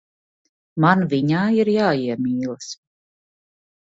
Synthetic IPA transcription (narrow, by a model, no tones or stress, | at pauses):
manviɲaːiɾjaːiɛmiːlˠɨs